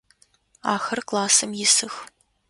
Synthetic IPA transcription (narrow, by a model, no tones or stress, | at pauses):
aːxɐrklˠaːsɐmjɪsɨx